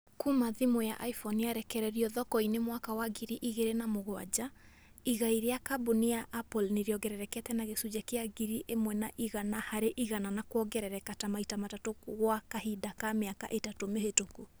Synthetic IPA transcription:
kumaðimoja̰ʔaifɔniaɾɛkɛɾɛɾiɔðɔkɔinemwakawaɡiɾiʔiɣeɾenamoɣwa̰d͡ʑa | iɣaiɾeakabonijaʔːpɔlneɾiɔɡɛɾɛɾɛkɛtɛnaɣesud͡ʒakeaɡiɾiʔemwɛnaʔiɣanahaɾeʔiɣananakwɔɡɛɾɛɾɛkatamaitamatatoɣwakahidakameaka̰ʔetatomehetoku

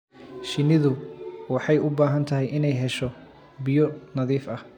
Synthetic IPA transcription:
ʃɪnɪðʊwɑħɑjʊbaːɦɐnt̪ʰɐɦɛjʔɪnɛjɦɛʃɔ | bijɔnɐðiːfɐh

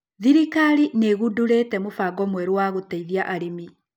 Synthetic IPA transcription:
ðiɾikaɾineɣuduɾeːtɛmofaɡɔmwɛɾowaɣoteiðjaʔaɾimi

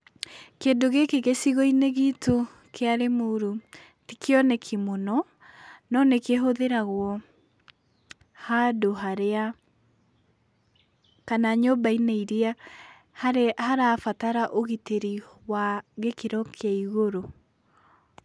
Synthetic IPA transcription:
keːndoɣekeɣesiɣɔineɣito | keaɾemoɾu | tikeɔnekʰimonɔ | nɔnekeɦoðeɾaɣwɔ | hadoɦaɾea | kanaɲombaineiɾia | hhaɾafataɾaʔoɣiteɾi | waɣekeɾɔkʰaiɣoɾo

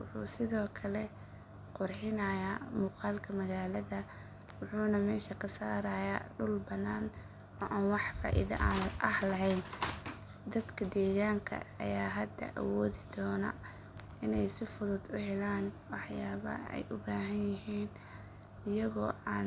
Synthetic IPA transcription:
wʊ̰ħṵːsɪðɔːkʰɐlɛ | qʊrħɪnɐjamuːqɑːlkʰɐmɐɣaːlɐðɐ | wʊħuːnɐmɛːʃɐkʰɐsaːɾɐːjaɖʊlbɐnːaːn | ɔːʔaːnwɑħfa̰ːʔɪ̰ðɐ̰ʔaʔɐhlɐɦɛjn | d̪ɐd̪kʰɐd̪ɛːɣaːŋkʰɐ̰ɐ̰jaːɦɐd̪ɐ̰ʔɐ̰wɔːðɪd̪ɔːnɐ̰ | ɪnɛjsɪfʊðʊd̪ʊɦɛlaːnwɑħjaːβɐ̰ɛ̰jʔʊbaːɦɐnjɪɦiːn | ɪjɐɣɔːʔaːn

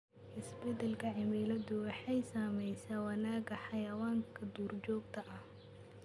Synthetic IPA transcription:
ʔɪsbɛd̪ɛlkʰɐʕɪmilɐd̪ʊwɑħɑjsaːmɛjsaːwɑnaːɡɐħɑjɐwaːŋkʰɐd̪uːrt͡ʃɔːɡt̪ʰɐʔɐh

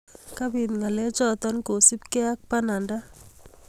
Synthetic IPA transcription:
kabinŋaled͡ʒɔt̪ɔnkosibkeak̚pananda

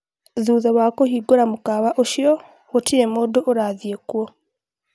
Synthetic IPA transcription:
ðuːðaβakohiɡoɾamukaβaʔoʃio | ɣotʰiɾemodoʔoɾaːðjekwo

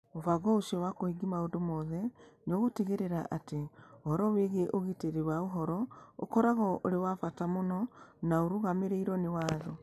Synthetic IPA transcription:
ovaɣɔoʃiɔwakoiɡimaondomɔðɛnoɣoteɣeɾeɾaʔateohɔɾɔweɣeʔoɣeteɾeɾwaoɦɔɾɔo̰kɔɾaɣɔoɾewafatamonɔnaoɾuɣameɾeiɾɔnewaːðɔ

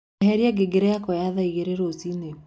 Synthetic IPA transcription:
ɦɛɾiaɡeɡeɾɛjakɔjaðaiɣeɾeɾozine

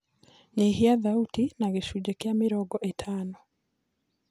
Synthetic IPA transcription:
ɲehiaðautinaɣeʃud͡ʒekjameɾɔɡɔʔetʰanɔ

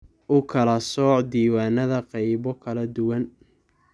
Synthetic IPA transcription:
ʔʊkʰɐlɐsɔːħd̪iːwaːnɐðɐqɑjβɔkʰɐlɐd̪ʊwɐn

